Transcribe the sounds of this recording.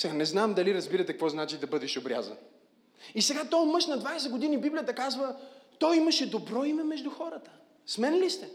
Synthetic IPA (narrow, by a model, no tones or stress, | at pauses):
sɛanɛznamd̪ɐliɾɐzbiɾɐt̪ɛkəkvɔznat͡ʃid̪ɐbɤd̪ɛʃobɾʲa̰zɐ̰n | isɛɡat̪ɔmɤʃnɐd̪vajsɛɡod̪inibiblijət̪əkazvət̪ɔjimɐʃɛd̪obɾɔimɛmɛʒd̪uxɔɾət̪ə̥ | smɛnlist̪ɛ